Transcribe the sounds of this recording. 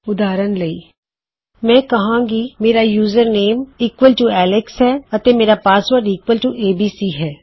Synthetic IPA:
ʊd̪aːɾənləiː | mɛ̃ːkəɦãːɡimeːɾaːjuːzəɾneːmiːkʋəlʈuɛːlɪksɦɛːət̪eːmeːɾaːpaːsʋəɾɖiːkʋəlʈuʔeːbiːsiːɦɛː

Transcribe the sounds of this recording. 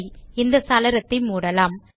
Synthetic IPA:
ɪnd̪ɐsaːlɐɾɐt̪ːɪmuːɽɐlaːm

